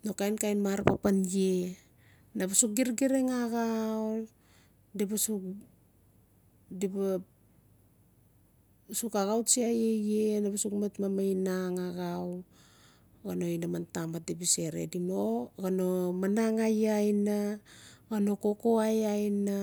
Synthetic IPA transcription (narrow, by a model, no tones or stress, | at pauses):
no̞kajnkajnmaɾpapanje̞ | naβasuk̚ɡiɾɡiɾeŋaɣaw | dibasuk | diba | sukaɣawsiajejenabasukmetmamajnaŋaɣaw | ɡano̞inamantamat̚dibise̞ɾḛdino̞ɡano̞manaŋajajnaɡano̞ko̞ko̞ajajna